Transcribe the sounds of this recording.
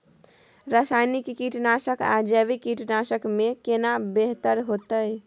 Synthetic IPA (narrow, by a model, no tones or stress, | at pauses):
ɾasajnikkiʈnasəka̰d͡ʒəbikiʈnasəkmekenabeɦt̪əɾɦot̪əj